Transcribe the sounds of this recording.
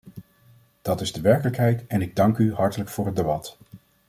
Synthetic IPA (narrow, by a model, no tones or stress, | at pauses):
d̥ɑtɪzdəʋɛɹkələkɦɛjtɛnɪɡ̚dɑŋkyɦɑɹtələkfʊːɹɦəd̚ebɑt